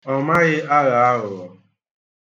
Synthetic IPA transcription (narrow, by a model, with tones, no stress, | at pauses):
ɔ˨ma˦ɣɪ˦ʔa˦ɣa˨a˦ɣʊ˨ɔ˨